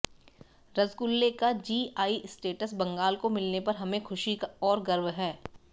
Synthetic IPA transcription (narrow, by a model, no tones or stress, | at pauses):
ɾɐzɡʊlːekad͡ʒiːaːisʈeːʈəsbɐ̃ŋɡaːlkomɪlnepɐɾɦɐmẽxʰʊʃikaɔːɾɡɐɾʋɦɛː